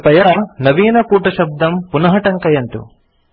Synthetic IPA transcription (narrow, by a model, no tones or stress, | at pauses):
pɐjɐnɐʋiːnɐkuːʈɐʃɐb̚d̪ɐmpunɐɦɐʈɐŋkɐjɐnt̪ṵ